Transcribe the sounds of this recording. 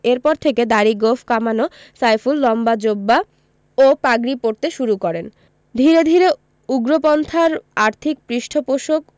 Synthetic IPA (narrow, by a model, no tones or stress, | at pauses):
eɾpɔɾt̪ʰeked̪aɾiɡofʰkamano | sajfulːɔmbad͡ʑobːa | opaɡɾipoɾt̪eʃuɾukɔɾen | d̪ʱiɾed̪ʱiɾe | uɡɾopɔnt̪ʰaɾaɾt̪ʰik̚pɾiʃʈʰopoʃok̚